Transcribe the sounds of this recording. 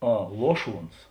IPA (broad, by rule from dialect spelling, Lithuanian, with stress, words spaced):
ˈɐ ˈlˠuɔˌʃuɔns